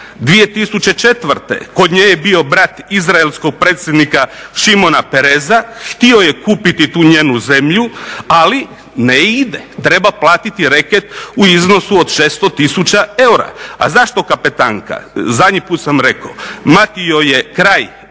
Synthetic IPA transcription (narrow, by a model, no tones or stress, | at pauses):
d̪ʋije̞t̪isut͡ɕe̞t͡ʃe̞t̪ʋɾt̪ḛko̞d̪ɲejebio̞bɾat̪izɾaelˠskoɡ̚pɾeːt̪sʲje̞d̪nikaʃimo̞napeɾezaxt̪io̞jekuːpit̪it̪uːɲeːnuze̞mʎuali | neid̪et̪ɾe̞baplˠaːt̪it̪iɾeket̪uizno̞suod̪ʃest̪o̞t̪isut͡ɕae̞uɾa̰a̰zaʃt̪o̞kapet̪aːŋka̰zad̪ɲipuːt̪samɾe̞ko̰mat̪io̞jekɾaːj